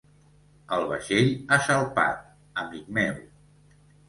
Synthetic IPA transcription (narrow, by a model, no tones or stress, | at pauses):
əlˠβə̰ʃeʎaʃəlˠpa̰t̪̚ | əmik̚mew